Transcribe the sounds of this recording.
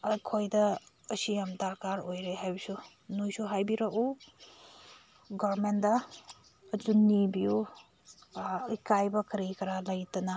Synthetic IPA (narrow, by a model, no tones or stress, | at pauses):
ɐkʰojdɐː | sijamdaɾkaɾojɾeɦajbisu | nujsuɦajbiɾaku | ɡɔɾmendɐː | d͡ʒunibiu | ikajbɐkɾikɐɾalɐjtɐna